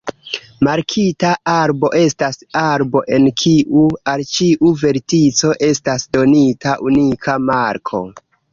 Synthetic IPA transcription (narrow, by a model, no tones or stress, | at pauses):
maɾkʰitaʔaɾbo̞ʔe̞stasaɾbo̞ʔe̞nkʰiʔualt͡ʃiʔuve̞ɾtit͡so̞ʔe̞stasdo̞nitʰaʔunikʰamaɾkʰo̞̰